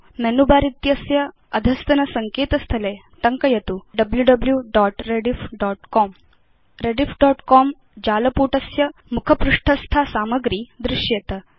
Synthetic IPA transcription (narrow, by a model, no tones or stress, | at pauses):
menubaːɾit̪jɐsjɐ | ɐd̪ʱɐst̪ɐnɐsɐŋkeːt̪ɐst̪ʰɐleː | t̪ɐŋkɐjɐt̪uɖɐbljuɖɐbljuɖɔːʈɾeɖifɖɔːʈkɔːm | ɾeɖifɖɔːʈkɔːm | d͡ʒaːlɐpuːʈɐsjɐmukʰɐpɾuʂʈʰɐst̪ʰaːsaːmɐɡɾiːd̪ɾɪʃjɐt̪ɐ